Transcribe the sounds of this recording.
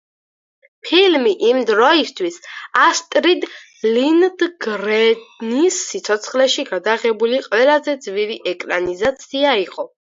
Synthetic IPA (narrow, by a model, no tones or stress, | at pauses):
pʰilmiʔimd̪ɾɔist̪ʰwisast̪ʼɾid̪ | lind̪ɡɾɛnisːit̪sʰɔt̪sʰχlɛʃiɡad̪aʁɛbuliqʼwɛlazɛd̪zviɾiʔɛkʼɾanizat̪sʰiaiqʼɔ